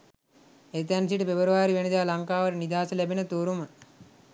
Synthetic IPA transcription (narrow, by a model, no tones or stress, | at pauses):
et̪̬ænsiʈəpebəɾuʋaːɾiʋened̪aːlaŋkaːʋəɾənid̪aːsəlæbenət̪uːɾumə